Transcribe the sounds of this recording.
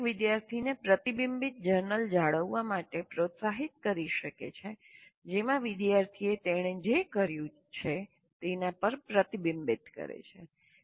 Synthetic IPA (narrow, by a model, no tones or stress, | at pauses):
ʋɪd̪jaɾt̪ʰinepɾət̪ibimbit̪̚d͡ʒəɾnəld͡ʒaɭəʋːamaʈepɾot̪saɦit̪̚kəɾiʃəkḛt͡ʃʰed͡ʒemãʋɪd̪jaɾt̪ʰiet̪eɽ̃ed͡ʒekəɾjũ | t͡ʃʰe | t̪enapəɾpɾət̪ibimbit̪kə̰ɾḛt͡ʃʰḛ